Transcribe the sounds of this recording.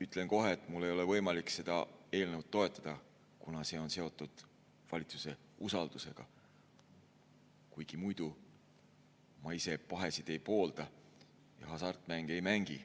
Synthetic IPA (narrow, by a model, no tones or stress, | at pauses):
yt̪ːˑle̞ŋko̞ɦeːt̪ːˑmulːe̞jo̞le̞vɤ̞jmɑlikˑse̞d̪̥ɑ̰e̞ːlnəwd̪̥̚t̪ːo̞e̞t̪ˑːɑd̪̥ɑ | kunɑse̞o̞nse̞o̞t̪ːˑud̪̥ | vɑlʲit̪su̥se̞ | usɑld̪̥use̞ɡ̥ɑ | kujɡ̥imujd̪̥u | mɑise̞pɑɦe̞sid̪̥e̞jpo̞ːld̪̥ɑ | jɑ̰ɦɑsɑrt̪ˑmæŋɡ̥e̞jmæŋɡ̥ḭ